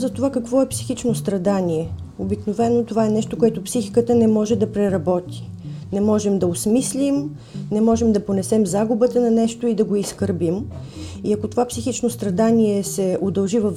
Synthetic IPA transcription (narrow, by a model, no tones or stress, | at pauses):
zɐt̪ovakɐkvɔɛpsi̥xit͡ʃnost̪ɾɐd̪aniɛ | obiknovɛnːot̪ovaɛnɛʃt̪okoɛt̪ʊpsixikət̪ənɛmɔʒɛd̪ɐpɾɛɾɐbɔt̪i̥ | nɛmɔʒɛmd̪ɐoʊsmislʲim | nɛmɔʒɛmd̪ɐponɛsɛmzaɡubət̪ənɐnɛʃt̪oid̪ɐɡoiskəɾbim | iɐkot̪ovapsixit͡ʃnost̪ɾɐd̪anʲiɛsɛod̪ɐlˠʒivɐf